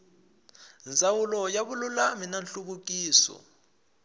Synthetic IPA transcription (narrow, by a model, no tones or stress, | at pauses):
nd͡zʱʼawulɔjaɓululaminanɬuk̬uk̬iːsɔ̰